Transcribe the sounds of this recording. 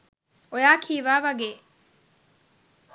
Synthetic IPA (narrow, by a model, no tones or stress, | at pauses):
ojaːkʰiːʋaːʋɐɡeː